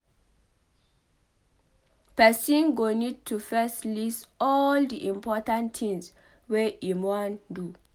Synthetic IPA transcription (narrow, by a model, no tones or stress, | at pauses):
pɛsĩnɡonid̚tʰufɛslisɔldiʔĩmpʰɔtãnt̪ʰĩŋs | weʔimɔ̃ndu